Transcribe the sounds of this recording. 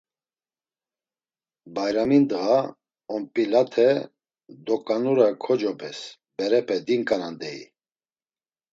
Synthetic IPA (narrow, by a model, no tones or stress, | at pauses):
bajɾamind̪əɣa | ɔmpʼilat̪ʰɛ | d̪ɔkʼanuɾakʰɔd͡ʒɔpʰɛs | bɛɾɛpʰɛd̪iŋkʼanand̪ɛḭ